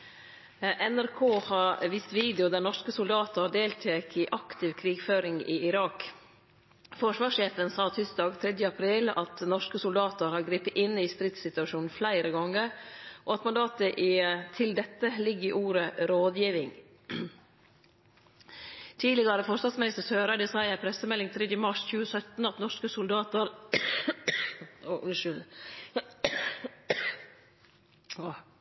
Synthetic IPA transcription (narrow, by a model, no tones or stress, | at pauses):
ʔɛnæɾkʰoːhɑɾʋiːst̪ʋiːd̪ɪʊd̪æɾnɔʂkəsʊld̪ɑːt̪əɖ̪eːlt̪ʰeːkɪʔɑkt̪ʰɪʋkʰɾiːɡføːɾɪŋɪ̰ːɪɾɑːk | fɔʂʋɑːʂeːfənsɑːt̪ʰʏsd̪ɑːɡt̪ʰɾɛd̪jəɑpʰɾiːlɑ̰t̪nɔʂkəsʊld̪ɑːt̪əɾhɑːɾɡɾiːpət̪ɪnɪst̪ɾɪt̪sɪt̪ʉɑʃuːnn̩flæɪɾəɡɔŋːəɾʔɔɑt̪mɑnd̪ɑːt̪əʔɪt̪ʰɪld̪ɛt̪ːəlɪɡːɪʔuːɾəɾoːd̪jiːʋɪŋ | t̪ʰiːlɪɡɑɾəfɔʂst̪ɑnsmɪnɪst̪əsøːɾəd̪ɛsɑɪəpʰɾɛsəmɛlːɪŋt̪ʰɾed̪ɪmɑʂçʉːəsœt̪n̩ɑt̪nɔʂkəsʊld̪ɑːt̪əɾ | ɔʔʉnʃʏl